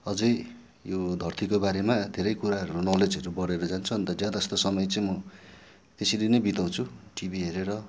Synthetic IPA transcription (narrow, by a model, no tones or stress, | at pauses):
ʌd͡zʌj | jod̪ʱʌrt̪ʰikobaɾemad̪ʱeɾʌjkuɾaɦʌɾunʌled͡zʌɾubʌɽeɾʌd͡zant͡sʰuʌnt̪ʌd͡zjad̪aʌst̪osʌmʌjt͡sʌĩmʌ | t̪esilinʌjbit̪aw̃t͡sʰuʈibiɦeɾeɾʌ